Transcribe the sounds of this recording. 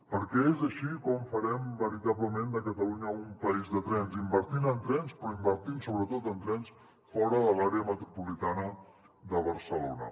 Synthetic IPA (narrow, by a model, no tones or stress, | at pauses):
pəɾkɛezəʃikɔmfəɾɛmbəɾit̪aβləmend̪əkət̪əluɲəumpəizðət̪ɾɛnzimbəɾt̪inənt̪ɾɛnspɾɔimbəɾt̪insoβɾət̪ot̪ənt̪ɾɛns | fɔɾəðəlaɾeəmət̪ɾupulit̪anə | ðəβəɾsəlo̰nə̰